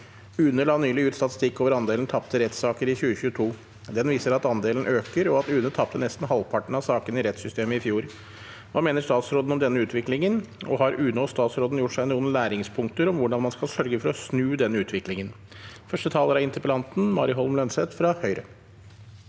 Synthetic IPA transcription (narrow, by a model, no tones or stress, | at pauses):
ʉːnəlɑːnyːlɪjʉːt̪st̪ɑt̪ɪ̥st̪ɪkːoːʋəɾɑnd̪eːln̩t̪ʰɑpt̪əɾɛt̪sɑːkəɾɪçʉːəçʉːət̪ʰuː | d̪ɛnʋiːsəɾɑt̪ɑnd̪eːln̩ʔøːkəɾɔɑt̪ʉːnət̪ʰɑp̚t̪ənɛst̪n̩hɑlʋpʰɑʈɳ̩ɑʋsɑːkənɪɾɛt̪sʏst̪eːməɪfjuːɾ | ʋɑːmeːnəɾʂt̪ɑːt̪sɾoːd̪n̩ɔmd̪ɛnːəʉːt̪ʋɪklɪŋənɔ̰ɦɑɾʉːnɔst̪ɑːt̪sɾoːd̪n̩jʊʈːʂæɪnuːənlæːɾɪŋspʰʊŋk̚t̪əɾɔmʋʊɖɑnmɑnskɑlsœɾɡəfɔɾɔsnʉːd̪ɛnːəʉːt̪ʰʋɪklɪŋən | fœʂʈət̪ʰɑːləɾɑɪnt̪ʰɾəpəlɑnt̪n̩mɑːɾɪɦɔlmlœnsɛt̪fɾɑhœʏɾə̰